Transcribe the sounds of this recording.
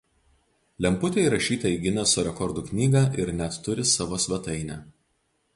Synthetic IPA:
lʲɛmˑpʊt̪ʲeɾɐʃʲiːt̪ɐiɡʲɪnʲɐsʊɾʲɛkɔɾd̪ʊknʲiːɡɑʔɪɾnʲɛt̪ːʊɾʲɪsɑːʋoːsʲʋʲɛt̪ɐɪnʲɛ̰

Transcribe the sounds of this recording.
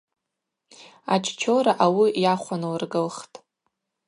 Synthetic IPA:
a̰t͡ʃʰʼt͡ʃʰoɾaʔawijaχʷanowrɡɨlχtʼ

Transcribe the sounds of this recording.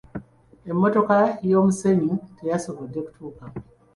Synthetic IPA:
emːotokaijom̩semiŋtʰejasovodektʰuka

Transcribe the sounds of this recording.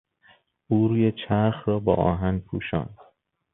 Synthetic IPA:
uːɾuːjet͡ʃʰæɾxɾɒːbɒ̰ːʔɒ̰ːɦænpʰuːʃɒ̰ːnd̪

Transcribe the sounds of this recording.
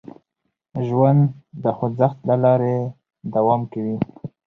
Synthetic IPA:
ʒwand̪d̪əxʊd̪zaxt̪lalɑɾe | d̪awɑmkawi

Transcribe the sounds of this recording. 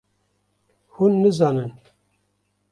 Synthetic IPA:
hunːɨzɑːnɨn

